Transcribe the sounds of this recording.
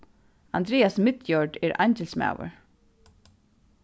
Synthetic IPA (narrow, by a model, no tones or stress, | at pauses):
and̪ɾɛːasmɪt̪jɔɹɖɛɹʔajɲcɪlsma̰ːwʊ̰ɹ